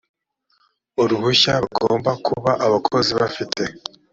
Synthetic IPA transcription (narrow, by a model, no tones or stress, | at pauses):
oɾuhuçaɾuɡoːmbakʰuβaʔaβakʰo̞ziβafitʰe̞